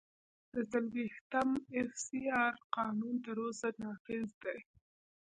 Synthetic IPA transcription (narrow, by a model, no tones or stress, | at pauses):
d̪̥əzalwiht̪amɪfsiɑɾqɑnunt̪əɾosanɑfɪzd̪ej